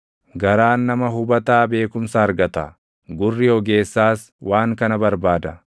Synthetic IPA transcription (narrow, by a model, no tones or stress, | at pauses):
ɡɐɾaːnːɐmɐɦʊbɐt̪aːbe̞ːkʊmsaːɐɾɡɐt̪ɐ | ɡʊrːɪjoɡe̞ːsːaːs | wʔaːŋkɐnɐbɐɾbaːd̪ɐ